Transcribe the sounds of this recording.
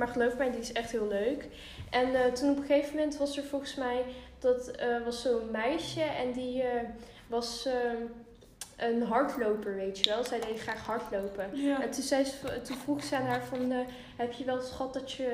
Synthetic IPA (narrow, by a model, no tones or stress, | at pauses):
maːɹχəlowvəkmɛjdiɪsɛχtɦɪːlˠløɥk | ʔɛntunɔpəχejvəmɛntʋɑsəɹvɔlˠχəsmɛjd̥ɑtʋɑsːowənmɛjʃəʔɛndi | ʋɑs | ənɦɑɹtlowpəɹʋejtəʋɛlˠzɛjdejdəχraːχɦɑɹtlowpəɛntunzɛjtunvruχəsɛanɦaːɹvɑnə | ɦɛpjəʋɛlˠəsχɑt̚dɑtə